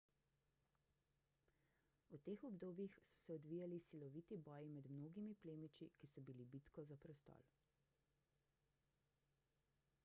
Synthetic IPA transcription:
ut̪eːxɔbd̪oːbjixsɔ̥sɛɔd̪ʋiːjalisilɔʋit̪ibɔːjimɛd̪mnoːɡimipleːmit͡ʃikisɔbilibit̪kɔzapɾɛst̪ɔ̰ːl

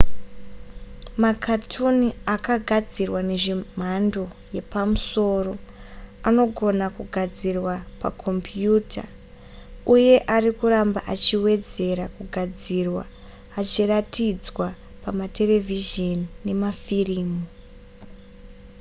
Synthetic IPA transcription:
makʰatʰuniakaɡʱad͡zirwane̞ʐim̤ando̞ | je̞pamuso̞ːro̞ano̞ɡʱo̞nakuɡʱad͡zirwapa̰kʰo̞mpjuːtʰa̰ | uje̞ʔaɾikuɾambaʔat͡ʃiwe̞d͡ze̞ɾakuɡʱad͡zirwaː | t͡ʃiratid͡zwa | pamate̞le̞vʱiʒeniːe̞mafiriːmu

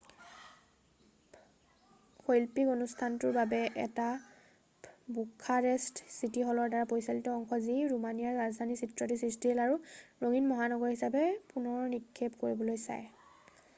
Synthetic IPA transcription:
xojlpikonustʰantʊɹbabɛʔɛ̰ta | bukʰaɹɛstsitixɔlɔɹdaɹapojsalitɔɔŋxɔziɹumanijaɹɹazdʱanisitɹɔtisɹistiɦelaɹuɹoŋinmɔɦanɔɡɔɹhisabɛpunɔɹnikʰːepkoɹibɔlojsa̰j

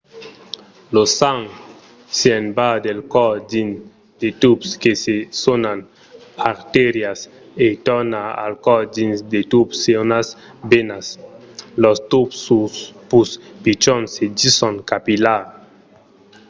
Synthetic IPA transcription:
losaŋ | seenbad̪elkɔdin | d̪et̪upskesesonan | pʰaɾt̪eɾjas | et̪ɔnaa̰lkɔd͡ʒinsd̪et̪upsenas | benas | lɔst̪upsuspuspit͡ʃɔnsed͡ʒisɔnkapilaɾ

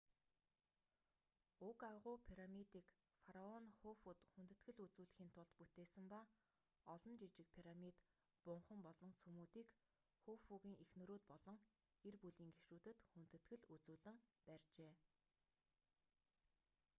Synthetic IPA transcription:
ʊkaʁʊpʰiɾamit̪iːk | faɾaɔnxofuːt̪xunt̪ɘ̆t̪ɡɘ̆ɮut͡suːɮɘ̆xiːnt̪ʰʊɮt̪put̪eːsɘ̆mpa | ɔɮɞ̆nt͡ɕit͡ɕɪ̆k̚pʰiɾamit̪ | pʊɴχə̆mpɔɮɞ̆nsumuːt̪iːk | xofuɣiːŋexnɵ̆ɾuːt̪̚pɔɮɞ̆ŋ | erpuɮiːŋɡeʃruːt̪ɘ̆t̪xunt̪ɘ̆t̪ɡɘ̆ɮut͡suːɮɘ̆ŋpærʲt͡ɕeː

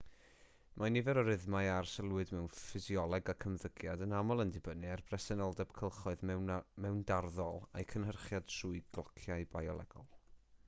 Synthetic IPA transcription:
mʔanɪvɛɾɔɾɪðmaɨarsəlˠwɨdmɛwnfɨziɔlˠɔɡakʰəmðəɡjadənamɔlˠəndɪbənɨarb̥rɛsɛnɔlˠdɛb̥kʰəlˠχɔɨðmɛwndarðɔlˠa̰jkʰənɦərχjad̥suːɨjɡlˠɔkʰjaɨbajɔlˠɛ̰ɡ̥ɔ̰lˠ

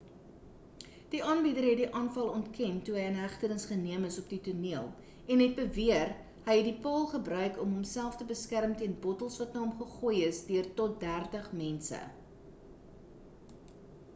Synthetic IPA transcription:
d̥iʔɑːnbidəɾɦɛt̚diʔɑːnfɐlˠɔntkɛntuɦəjənɦæχtənəsχəniəməsɔpdituniəlˠ | ɛnɦɛt̚bəviər | ɦəjɦɛt̚dipɑːlˠχəbrœɥkɔmɦɔmsælˠftəbəskærmtiənbɔtəlˠsvɐt̚nəɔmχəχujəsdøərtɔt̚dærtəχmɛnsə̰

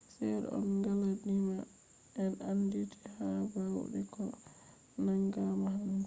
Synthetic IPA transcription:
sɛɾ̰ɔ̰nɡaladima | ʔɛnanditʰi̥habawṵɗɛkɔ | naŋɡamaɦan

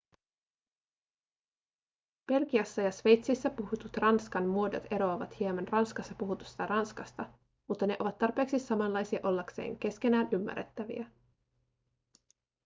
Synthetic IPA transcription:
b̥e̞lkiɑsːɑjɑsʋe̞jt̪sisːæpuhut̪ut̪rɑnskɑnmuo̞do̰t̪e̞ɾo̞ɑʋɑt̪hiemɑnrɑnskɑsːɑpuɦut̪u̥st̪ɑrɑnskɑst̪ɑ | mut̪ːɑne̞ʔo̞ʋɑt̪ːɑrpe̞ːksisːɑmɑnlɑjsiɑʔo̞lːɑksḛːŋk̟e̞sk̟e̞næːnʔymːæ̰rːet̪ːæʋḭæ

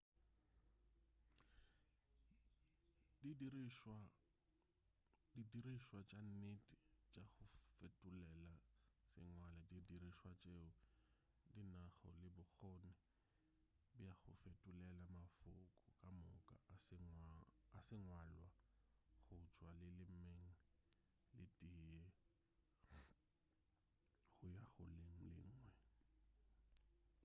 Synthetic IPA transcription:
idiriʃwa | didiriʃwat͡ʃʼan̩netʼit͡ʃʼaɣʊfetʼʊlɛlasɪ̰ŋwaladidiriʃwat͡ʃʼeʊ | dinaχɔ̰lɪbʊk͡xɔnɛ | bijaɣʊfetʼulɛlamafʊkʼʊkʼamʊkʼa̰sŋasɪŋwalwaɣʊt͡ʃʼwalɪlɪmeŋ̩ | lɪtʼijɛ | ɣʊjaɣʊleŋ̩lɪ̰ŋ̩ːŋwɛ

